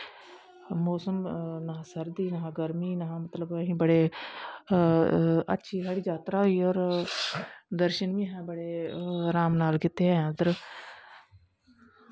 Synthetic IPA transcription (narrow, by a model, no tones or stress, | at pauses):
moːsəmnɐɦãsɐɾd̪iːnɐɦãɡɐɾmiːnɐɦãmɐt̪ləbɐɦĩbɐɽe | ɐ̰tːʃʰiɦɐɽid͡ʒaːt̪ɾaɦoiɔːɾ | d̪əɾʃənbĩɦɛ̃bɐɽeɾaːmnaːlkɪt̪ːeɦɛ̃ãd̪ɾ